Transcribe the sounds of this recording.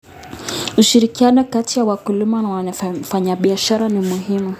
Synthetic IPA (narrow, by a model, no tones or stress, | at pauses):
uʃiɾikianɔkatijawakulimanawafaɲaɓiaʃaɾanimuɦimu